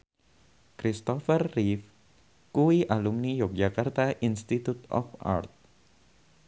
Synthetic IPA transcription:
kɾist̪ɔfərːif | kuwiʔalumnijɔk̚d͡ʒakart̪aʔinst̪it̪ut̪ɔ̰fa̰rt̪̚

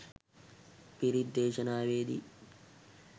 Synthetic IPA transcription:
piɾid̪ːeːʃɐnaːʋeːd̪ḭ

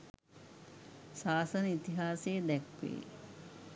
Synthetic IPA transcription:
saːsɐnəit̪iɦaːseːd̪ɛkʋḛː

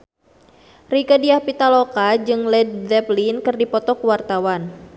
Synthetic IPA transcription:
rikədiahpit̪alokad͡ʒɨŋlɛd̚dɛplinkɨrdipɔt̪ɔkuwart̪awan

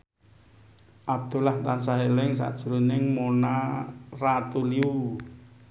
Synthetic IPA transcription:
ʔab̚d̪̥ṳlaht̪ansaɦelɪŋs̬a̰ʔd̥ʒ̥uɾunɪŋmonarat̪uliu

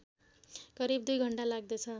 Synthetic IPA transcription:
kʌɾibd̪ujɡʱʌɳʈalaɡ̚d̪ʌt͡sʰʌ

